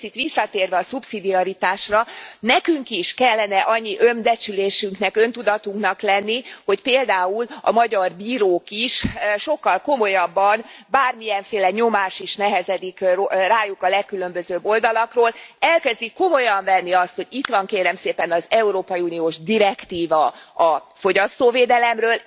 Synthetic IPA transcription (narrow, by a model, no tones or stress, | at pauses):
it̪ʋisːɒt̪eːrʋɛɒsupsid̪iɒɾit̪aːʃrɒnɛkyŋkiʃkɛlːɛnɛʔɒɲːiʔønb̪ɛt͡ʃyleːʃyŋknɛkø̞nt̪ud̪ɒt̪uŋknɒklɛnːiho̞cpeːld̪aːulɒ̰mɒɟɒrbiːɾoːkiʃʃo̞kːɒlko̞mo̞jɒbːɒnbaːrmijɛɱfeːlɛɲo̞maːʃiʃnɛɦɛzɛd̪ikoraːjukɒlɛkːylø̞mbøzøːbːo̞ld̪ɒlɒkroːlɛlkɛzd̪ikːo̞mo̞jɒɱvɛnːiɒst̪ho̞ɟit̪ʋɒŋkeːɾɛmseːpɛnɒzɛuɾoːpɒjiuːnioːʒd̪iɾɛkt̪iːvɒɒfo̞ɟɒst̪oːveːd̪ɛlɛmrøːl